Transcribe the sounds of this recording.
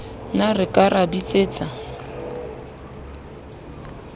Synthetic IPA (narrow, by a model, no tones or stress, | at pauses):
narɪkʼarabit͡sʼeːt͡sʼa